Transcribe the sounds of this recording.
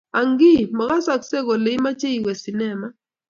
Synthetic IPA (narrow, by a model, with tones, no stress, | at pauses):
a˨ŋɡi˦˨ma˨ɣa˦sa˨kse˦˨ko˨le˨˦i˦ma˦t͡ʃe˦i˨wɛ˨si˨nɛ˦˨ma˦